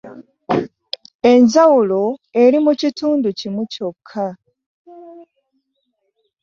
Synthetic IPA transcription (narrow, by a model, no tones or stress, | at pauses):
e̞ɲzawulo̞e̞ɾimucituːnducimuco̞kʰːa